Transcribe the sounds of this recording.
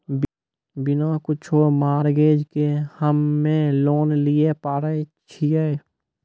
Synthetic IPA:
bɪnokʊt͡ʃʰomaːɾɡeːd͡ʒkehəmːẽloːnliepaːɾə | t͡ʃʰie

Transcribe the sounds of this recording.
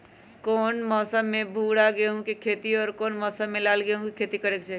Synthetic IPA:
kɔːnmɔːsəmːẽbʱuːɽaɡeɦũkekʰeːt̪iɔːɾkɔːnmɔːsəmːelaːlɡeɦũkikʰeːt̪ikəɾeːkt͡ʃʰɛ

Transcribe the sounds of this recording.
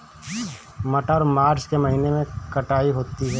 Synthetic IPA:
mɐʈaːɾmaːɾt͡ʃkemɐɦiːnemẽkɐʈaːiɦoːt̪iɦɛː

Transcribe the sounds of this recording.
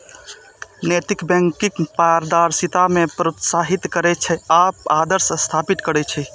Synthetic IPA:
net̪ikbɛ̃ŋkikpaɾd̪aɾsit̪amepɾot̪saɦit̪kəɾɛt͡ʃʰɛapad̪əɾsəst̪ʰapit̪kəɾɛt͡ʃʰɛ

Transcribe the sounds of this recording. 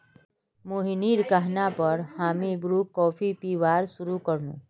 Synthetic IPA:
moːɦiniːɾkaɦnapəɾhaːmibɾuːkːɔːpʰipiːʋaːɾsʊɾukəɾnṵ̃ː

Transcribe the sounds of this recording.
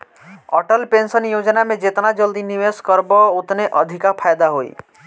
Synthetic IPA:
ɔ̰ʈəlpensənjod͡ʒnamẽd͡ʒet̪nad͡ʒɔld̪inimeskɔɾbɔut̪neʔɔd̪ʱikapʰajd̪aɦoḭ

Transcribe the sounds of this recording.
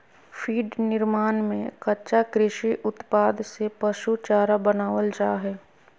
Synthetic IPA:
fʰiːɖnɪɾmaːnmẽkɐʃakɾɪʃiʔʊt̪paːd̪sepɐʃut͡ʃaːɾabənaːʋəld͡ʒaːɦɛː

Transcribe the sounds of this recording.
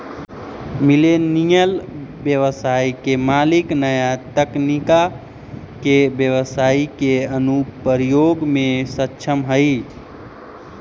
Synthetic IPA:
milenijəlbjəʋəsaikemaliknəjat̪əknika | kebjəʋəsaikeənupəɾijoɡmesətːʃʰəmɦəɪ

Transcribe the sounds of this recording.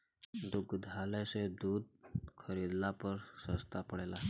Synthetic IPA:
d̪uɡd̪ʱalesed̪uːd̪̚kʰəɾid̪lapəɾsəst̪apəɽela

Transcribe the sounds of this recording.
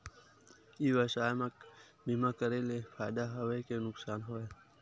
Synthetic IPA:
iːʋasaːmɐk | bimakəɾelefaːjd̪aɦɐwekenʊksaːnɦoːe

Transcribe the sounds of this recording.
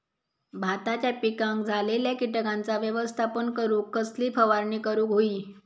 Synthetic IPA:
bʱat̪at͡ɕjapikãŋkd͡zʱaleljakiʈəkant͡saʋjəʋəst̪ʰapəɳkəɾuːkːəsliːfəʋaɾɳiːkəɾuːkɦoiː

